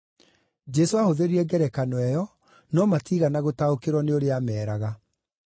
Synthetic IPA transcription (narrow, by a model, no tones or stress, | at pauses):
d͡ʒɛsoahoðeɾiɛɡɛɾɛkanɔɛjɔ | nɔmatiːɣanaɣotaokeɾwɔneoɾeamɛːɾaɣa